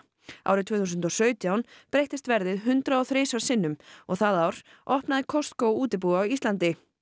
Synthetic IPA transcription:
a̰ːwɾɪt̪ʰvɛːθuːsʏnt̪ɔsœːɥt̪jawnpɾejht̪ɪst̪vɛɾðɪðɦʏnt̪ɾaɔθɾeːjsvasɪnːʏmɔɣθaðawɾ̥ | ʔɔhpnaðɪkʰɔst̪kowuːt̪̬ɪp̬uɣawist̪lant̪ɪ

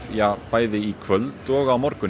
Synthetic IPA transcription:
jɑb̥æɪðəikʰʋœld̪oːɣɑːmɔɾkʊ

